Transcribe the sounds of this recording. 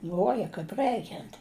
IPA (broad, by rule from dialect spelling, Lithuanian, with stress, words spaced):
ˈlʲuɔjɛ kɐɪp ˈrɜɪkʲɛnt